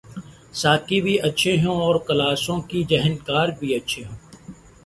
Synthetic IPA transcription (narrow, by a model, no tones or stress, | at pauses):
saːkibʱiʔɐtːʃʰeɦõɔːɾkɐlaːsõkid͡ʒɛɦənkaːɾbʱiɐtːʃʰeɦõː